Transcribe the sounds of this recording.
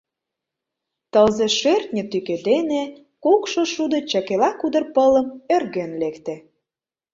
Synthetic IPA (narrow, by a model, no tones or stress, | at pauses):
t̪əlzeʃert̪̚nʲə̆t̪yked̪ene | kukʃoʃud̪ɤ̆t͡ɕɑkelɑkud̪ə̆rpələ̆mørɣenlekt̪e